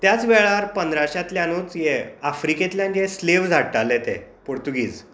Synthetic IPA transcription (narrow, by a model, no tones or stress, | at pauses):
t̪jat͡sʋɛɭaɾpənd̪ɾaɕat̪ljãnuːt͡sjeafɾiket̪ljãnesleʋd͡zʱaʈʈalet̪ḛpoɾt̪uɡiːd͡z